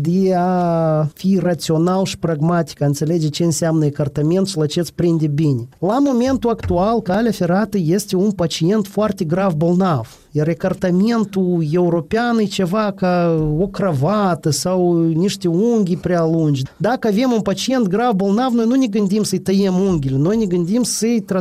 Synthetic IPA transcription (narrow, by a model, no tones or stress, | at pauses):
d̪ʲeafirat̪sio̞nalʃi̥praɡmat̪ʲi̥kaɨnseled͡ʒet͡ʃe̞ɨnsʲamnəekart̪amʲe̞nt̪ʃilat͡ʃet̪sʲpɾind̪ʲebʲinʲelamo̞mʲe̞nt̪uakt̪ualkalʲafeɾat̪əjest̪ʲeunpat͡ʃie̞nt̪foart̪ʲeɡɾavbolˠnav | jarekart̪amʲe̞nt̪ujewɾopʲɪanɨjt͡ʃevakaokravat̪ɨsawnʲiʂt̪ʲeuŋʲɡʲipɾʲɪalˠunʲd͡ʒd̪akəavʲe̞munpat͡ʃijent̪̚ɡɾavbolˠnavno̞jnunʲeɡɨnd̪ʲimsɨjt̪ɐjemuŋʲɡʲɪlʲno̞jnʲeɡɨnd̪ʲimsɨjt̪a